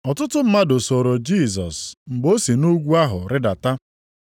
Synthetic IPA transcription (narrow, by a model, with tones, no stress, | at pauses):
ɔ˨tʊ˦tʊ˦m̩˦ma˦dʊ˨so˨ɾo˨d͡ʒi˦˨z̬ɔ̰˨sŋ͡m̩˨ɡ͡bo˦si˨nu˦ɡʷu˦a˦ɦʊ̰˨ɾɪ˦da˨ta˦